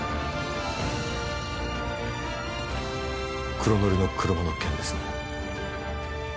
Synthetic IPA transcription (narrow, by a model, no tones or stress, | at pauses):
kɯɾomoɾʲinokɯɾomonokẽnd̪esɨ̥n